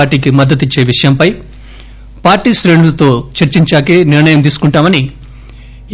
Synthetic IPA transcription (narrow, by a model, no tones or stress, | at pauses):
ɾʈiːkimɐd̪ːɐt̪̬it͡ʃːe̞ːʋiʂɐjɐmpɐj | paːɾʈiːʃɾe̞ːɳulɐt̪o̞ːt͡ʃɐɾt͡ʃiɲt͡ʃaːkeːniɾɳɐjɐmt̪̬iːsu̥kuɳʈaːmɐni